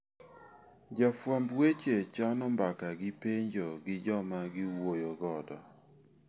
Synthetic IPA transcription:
d͡ʒafwambwet͡ʃet͡ʃanɔmbakaɡɪpeɲd͡ʒɔɡɪd͡ʒɔmaɡɪwojoɡɔdɔ

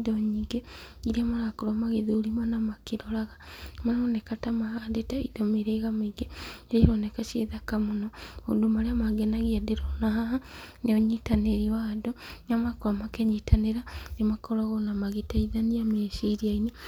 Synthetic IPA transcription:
doɲiːɡeiɾiamaɾakoɾomaɣeðoɾimanamakiɾoɾaɣamanonekatamahadetaḭdomiɾeɣameiɡeeɾiɾonekaʃḛðakamonoo̰domaɾeamaɡenaɣiadeɾonaɦaɦaneoɲitaneɾiwadonamakoɾomakeɲitaneɾaɾemakoɾaɣonamaɣetaiðaniameʃiɾiaini

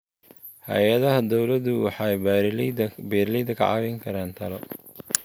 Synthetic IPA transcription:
hɐ̰jɐðɐɦɐd̪ɔwlɐd̪ʊwɑ̰ħɑj | bɛːɾlid̪ɐkʰɐ̰ʕɑ̰βɛŋkʰɐɾaːnt̪ʰɐlɔ

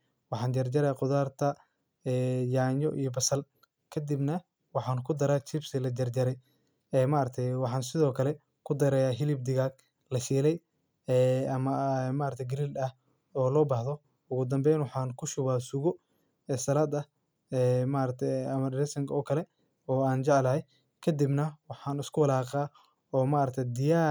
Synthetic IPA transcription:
wɑħɑːnd͡ʒɐrd͡ʒɐɾɛjqʊðaːrt̪ʰɐ | ɛːjaːɲɔʔḭjɔbɐsɐl | kʰɐd̪ibnɐ | wɑħɑːnkʰʊd̪ɐɾaːt͡ʃʰɪbsɪlɐd͡ʒɐrd͡ʒɐɾɛj | ɛːmaːɾɐt̪ʰɛjwɑħɑːnsɪðɔːkʰɐlɛ | kʰʊd̪ɐɾɛjaːɦɪlɪb̚d̪ɪɣaɡ | lɐʃiːlɛj | ɛːɐmɐɛmaːɾɐkt̪ʰɛjɡɪɾild̪ɐh | ɔːlɔːbaːhðɔ | ʊɣʊd̪ɐmbɛjnwɑħɑːnkʰʊʃʊβaːsʊɣɔ | ɛːsɐlaːd̪ɐ | ɛːmaːɾɐt̪ʰɐmɐɖɪɾɛsɐŋkʰɔːkʰɐlɛ | ɔːaːnt͡ʃɛʕlɐhɛj | kʰɐd̪ibnɐwɑħɑːnɪskʰʊwɐlaːqɑː | ɔːmaːɾɐk̚t̪ʰɛjd̪ɪjaː

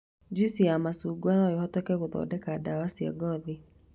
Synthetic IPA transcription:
d͡ʒisiamasuːɡwanajohɔtɛkɛɣoðɔ̰ːdɛkadawasia̰ɡɔði

